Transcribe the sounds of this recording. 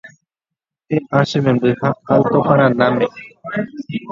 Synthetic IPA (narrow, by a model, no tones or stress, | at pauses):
eʔaʃemẽmbɨhakawt̪oxãɾ̃ãnãmẽ